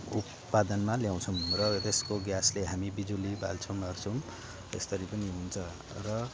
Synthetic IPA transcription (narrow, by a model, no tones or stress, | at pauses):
ut̪ | pad̪ʌnmaljaw̃t͡sʰʌw̃rʌt̪eskoɡjasleɦamibid͡zuliba̰lt͡sʰʌwmʌrt͡sʰʌm | ḛst̪ʌɾipʌniɦunt͡sʰʌ | rʌ